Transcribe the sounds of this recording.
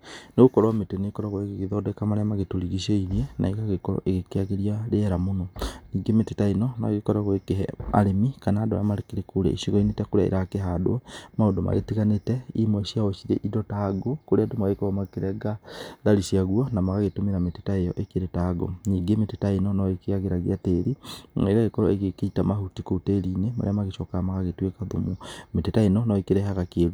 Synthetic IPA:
neɣokɔɾwametenekɔɾaɣwekeɣeðɔdɛkamaɾamaɣetoɾiɣiʃeiɾiɛna̰iɣaɣekɔɾɔ̰ʔeɣekeaɣeɾiaɾeɛɾamonɔniːɡemetetainɔna̰ɣekɔɾaɣwekeɦɛ̰mʔa̰ɾemikanaːdoɾa̰maɾekeɾekuɾɛ̰ḭʃiɣɔinetɛkoɾea̰ḭɾakeɦado̰maodoma̰ɣḛtiɣanetɛimwɛʃiaɣɔʃiɾḛʔidɔtaɡokoɾeadomaɣekoɾɔmakeɾɛɡaðaliʃiaɣwanamaɣaɣetomeɾametetaejɔ̰ʔekeɾetaɡo̰niɡemetetainɔnɔekeaɣeɾaɣiateɾieɣaɣekɔɾɔeɣekeitamaɦutikouteɾinema̰ɾḛamaɣeʃɔkaamaɣaɣetwekaðomumetetainɔnɔekeɾɛɦaɣakeɾu

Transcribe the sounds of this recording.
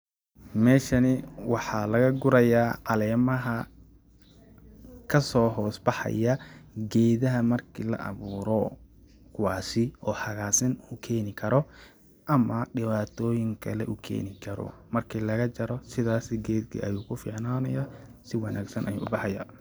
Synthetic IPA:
mɛːʃɐnɪwɑħɑlɐɣɐɡʊɾɐjaːʕɑlɛːmɐɦɐ | kʰɐsɔːɦɔːsbɑħɑ̰jɐɡɛːðɐɦɐmɐrkʰiːlɐ̰ʔɐ̰βuːɾɔ | kʰʊwaːsɪʔɔːħɑɣaːsɪnukʰɛːnɪkʰɐɾɔ | ʔɐmɐɖɪβaːt̪ʰɔːjɪŋkʰɐlɛʔʊkʰɛ̰ːnɪkʰɐɾɔ̰mɐrkʰiːlɐɣɐt͡ʃɐɾɔsɪðaːsɪɡɛːd̪kʰḭʔɐjuːkʰʊfḭːʕnaːnɐjaːsɪwɑnʔa̰ːɡsɐnʔɐjṵːbɑħɑja̰ː

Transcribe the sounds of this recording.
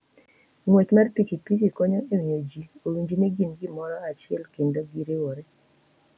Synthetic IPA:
ŋwet͡ʃmarpikipikikɔɲɔʔemiod͡ʒioɾiɲd͡ʒinɛɡinɡimɔɾɔat͡ʃɪɛ̰lkendoɡiɾewoɾe

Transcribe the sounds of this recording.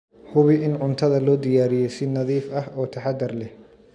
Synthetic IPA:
hʊβɪʔɪnʊnt̪ʰɐðɐlɔːd̪ɪjaːɾɪjɛjsɪnɐðiːfɐɦɔːt̪ʰɐħɑd̪ɐrlɛh

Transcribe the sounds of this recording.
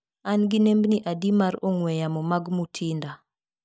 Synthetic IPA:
anɡinembniʔadimaɾoŋwɛjamɔmaɡmutʰinda

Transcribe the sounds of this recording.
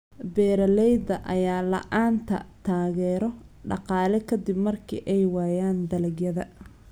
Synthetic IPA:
bɛːɾɐlɛjd̪ɐʔɐjaːlɐ̰ʔaːnt̪ʰɐ̰t̪ʰaːɣɛːɾɔɖɑ̰qɑːlɛkʰɐd̪ɪbmɐrkʰḭːʔɛjwɑːjaːnd̪ɐlɐɡjɐðɐ

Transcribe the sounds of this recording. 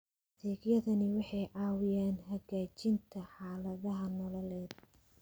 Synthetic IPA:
d̪iːɡjɐðɐnɪwɑħɑjʕɑːwɪjaːnɦɐɣaːt͡ʃɪnt̪ʰɐħɑːlɐðɐɦɐnɔlɐlɛːd̪̚

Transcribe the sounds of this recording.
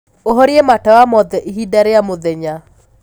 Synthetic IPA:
oɦɔɾiematawamɔðɛʔiɦidaɾeamoðɛɲa

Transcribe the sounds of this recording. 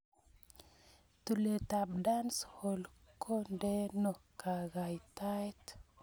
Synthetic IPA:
t̪ulet̪abdanshɔlkʰondenokaɡajt̪ajt̪

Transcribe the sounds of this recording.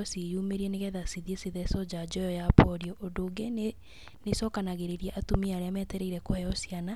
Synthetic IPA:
ɔsejumeɾiɛneɣɛðasiðieseðɛsɔd͡ʑad͡ʑɔjɔjapɔɾiɔʔodoɡen | nesɔːkanaɣeɾeɾiɛʔatumiaɾeamɛtɛɾɛiɾɛkoajɔsiana

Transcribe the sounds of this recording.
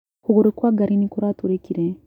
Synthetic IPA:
koɣoɾekwaːɡaɾinikoɾatuɾekiɾe

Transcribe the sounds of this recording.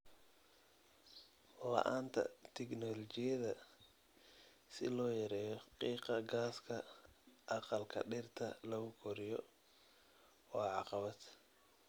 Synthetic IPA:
lɑ̰ʔaːnt̪ʰɐ̰t̪ʰɛknɔlɔt͡ʃɪjɐðɐ | sɪlɔːjɐɾɛːjɔqiːqɑɡaːskʰɐʔɑqɑlkʰɐ̰ɖɪrt̪ʰɐlɐɣʊkʰɔɾɪjɔ | wɑːʕɑqɑβɐd̪

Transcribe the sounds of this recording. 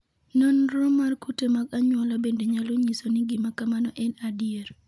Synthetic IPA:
nɔnɾɔmarkutemaɡaɲwɔlɔbendeɲaloɲisoniɡimakamanɔʔɛnadieɾ

